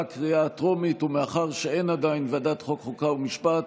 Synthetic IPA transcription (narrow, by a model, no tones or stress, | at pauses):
kʁiatʁomit̪umeaχaʁʃee̞nad̪ainvad̪at̪χo̞kχokaumiʃpat̪